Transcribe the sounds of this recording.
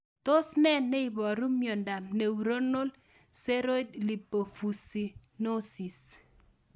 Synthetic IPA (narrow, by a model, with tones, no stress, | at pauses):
to˦snɛ˦nːe˦i˨bɔ˨ɾu˦mjo˨nda˨mne˨wu˨ɾo˦no˦l | se˦ɾo˦dli˨pːo˨fu˨si˨no˦si˨s